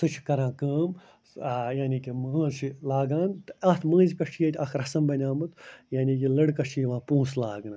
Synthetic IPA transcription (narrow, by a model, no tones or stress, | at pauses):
sɨt͡ʃʰi̥kɐɾãːkəːm | jaːnikiməːʃʰilaːɡaːnt̪ɨɐt̪ʰmɐ̃ːnzkɐʂʰijet̪ʲɐkʰɾɐsɐmbɐnʲaːmɨt̪jaːnʲiːkilɐɽkɐʂʰiiʋãːpũːslaːɡnɨ